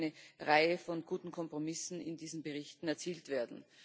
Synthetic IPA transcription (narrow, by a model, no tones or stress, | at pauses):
nəʁaɪəfɔnɡ̥uːtn̩kʰɔmpʁ̥omɪsn̩ɪ̰ndiːzn̩bəʁɪçtn̩ɛɐt͡siːltv̥eːɐdn̩